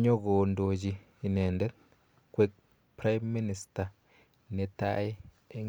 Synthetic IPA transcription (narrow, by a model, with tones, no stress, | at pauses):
ɲɔ˦ɡo˨ndo˨d͡ʒi˨ | i˨nɛ˨ndɛ˦ | kwe˦k | pɾa˦jmːi˦ni˨sta˨ | ne˨ta̰˦i˦ | e˦ŋ